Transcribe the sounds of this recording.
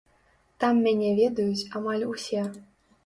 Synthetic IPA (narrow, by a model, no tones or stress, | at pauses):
t̪amːʲanʲɛvʲɛd̪ɐjut͡sʲamalʲusʲɛ